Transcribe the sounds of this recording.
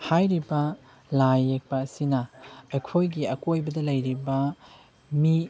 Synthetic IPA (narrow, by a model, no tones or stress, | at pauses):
hajɾibɐ | lajːek̚pɐːsinɐɐkʰojɡiɐkojbɐdɐlɐjɾibɐ | mi